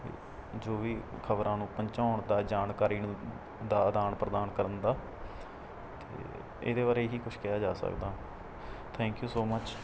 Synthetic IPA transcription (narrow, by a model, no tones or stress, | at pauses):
ḛː | d͡ʒoːʋiːkʰəbɾãːnũːpəɲt͡ʃaːɳd̪aːd͡ʒaːnkaːɾiːn | d̪aːd̪aːnpɾəd̪aːnkəɾənd̪aː | t̪ḛː | ḛːd̪eːbaːɾeːɦiːkʊt͡ʃʰkɪjaːd͡ʒaːsə̰kd̪aː | t̪ʰɛ̃ːŋkjuːsoːmət͡ʃ